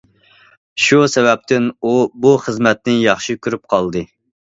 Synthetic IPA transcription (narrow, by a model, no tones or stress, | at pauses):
ʃusɛvɛp̚t̪ʰɪnubuχəzmɛt̪̚nɪjɑχʃikʲyɾyp̚qʰɑlˠd̪ɨ